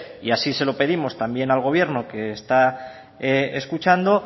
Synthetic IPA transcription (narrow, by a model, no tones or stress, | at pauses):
iasise̞lo̞pe̞ð̞imo̞st̪ambje̞nalɣ̞o̞β̞je̞ɾno̞ke̞ːst̪a | eskut͡ʃand̪o̞